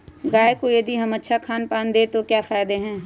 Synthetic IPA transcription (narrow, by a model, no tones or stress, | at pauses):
ɡaːjekojɐd̪iɦɐmɐtːʃʰakʰaːnpaːnd̪eːt̪okjaːfaːjd̪eɦɛ̃ː